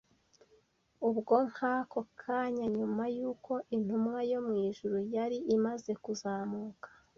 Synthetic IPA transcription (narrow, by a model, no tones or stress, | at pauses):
ubɡo̞ŋ̥haːkokʰaːɲaɲumajuːko̞ʔin̥humŋajo̞mŋiːʒuɾujaɾiʔimaze̞kuzaːmuːkḁ